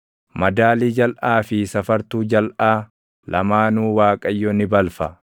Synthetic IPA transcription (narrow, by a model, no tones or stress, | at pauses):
mɐd̪aːliːd͡ʒɐlʔaːfɪsɐfɐɾt̪uːd͡ʒɐlʔaː | lɐmaːnuːwaːkʼɐjːoːnɪbɐlfɐ